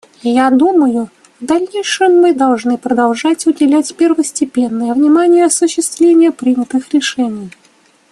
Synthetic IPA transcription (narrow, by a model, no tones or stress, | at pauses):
jad̪uməjʊ | vd̪ɐlʲnʲejʂɨmːɨd̪ɐlˠʐnɨpɾəd̪ɐlˠʐatʲʊdʲɪlʲætʲpʲɪrvəsʲtʲɪpʲenːəjəvnʲɪmanʲɪjəɐsʊɕːɪst̪vlʲenʲɪjəpɾʲinʲət̪ɨxɾʲɪʂɛnʲɪj